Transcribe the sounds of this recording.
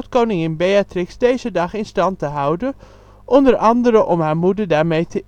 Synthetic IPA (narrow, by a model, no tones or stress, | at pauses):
tkownɪŋɪnbejatrɪksdejzədɑχɪnstɑntəɦʌwdən | ʔɔndəɹʔɑndəɾəʔɔmɦaːɹmudəɹdaːɹmejtə